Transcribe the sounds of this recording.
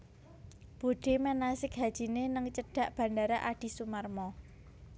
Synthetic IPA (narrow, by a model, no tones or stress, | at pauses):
b̥o̤ɖ̥e̤mɛnasɪkɦad̥ʒ̥i̤nenəŋt͡ʃəɖ̥ä̤ʔb̥ä̤ndaɾaʔaɖ̥i̤sumarmɔ